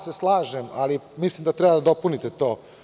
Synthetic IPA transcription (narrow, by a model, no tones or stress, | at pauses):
se̞slˠaːʒemalimislimd̪at̪ɾɛbad̪ad̪o̞punit̪et̪o̞ː